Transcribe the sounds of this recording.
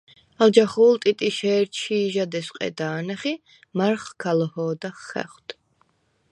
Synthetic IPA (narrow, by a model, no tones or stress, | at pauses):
alˠd͡ʒaχuːlˠt̪ʼit̪ʼiʃɛːɾt͡ʃʰʃiːʒad̪ɛsqʼɛ̰d̪aːnaχi | maɾχkʰalɔhɔːd̪aχːɛ̰χwt̪ʰ